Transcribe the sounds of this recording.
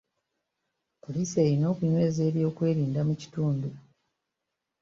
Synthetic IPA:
poliːse̞ːɾino̞ːkuɲwe̞ːze̞ːβjo̞ːkwe̞ːɾiːndamuci̥tuːndu

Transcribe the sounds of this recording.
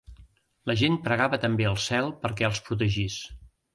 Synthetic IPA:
ləʒen̚pɾəɣaβət̪əmbeəlˠsɛlˠpəɾkɛəlˠspɾut̪̬əʒis

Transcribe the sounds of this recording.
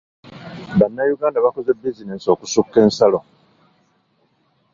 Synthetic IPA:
banːajuɡaːndaβako̞ze̞bːizineso̞ːkusukːe̞ːnsalo̞

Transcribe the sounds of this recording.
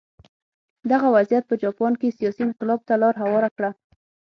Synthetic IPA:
d̪aɣawazjat̪̚pəd͡ʒɑpɑnkesijɑsinqɪlɑb̚t̪alɑɾɦawɑɾakɽa

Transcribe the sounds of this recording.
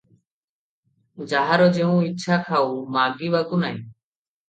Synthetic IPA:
d͡ʒaɦaɾod͡ʒeũitːt͡ʃʰakʰaumaːɡibaɡunaĩ

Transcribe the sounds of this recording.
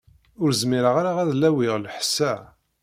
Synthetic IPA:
ʊɾzmiɾəʁaɾaʁæðlːæwiʁləħsːæ

